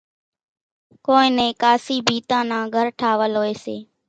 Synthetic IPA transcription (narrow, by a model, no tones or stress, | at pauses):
koːɪ̃ːnẽːkaːsiːbʱiːt̪ãːnãːɡʱəɾʈʰaːʋəlɦoːeːsḛː